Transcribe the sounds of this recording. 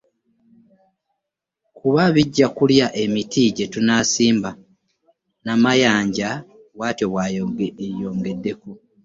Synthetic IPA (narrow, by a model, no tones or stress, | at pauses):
kuβaβiɟːakuljaʔe̞mitʰiɟe̞tunaːsiːmba | namajaːɲɟa | waːtjoβwaːjoɡeejo̞ːŋɡe̞dːe̞ku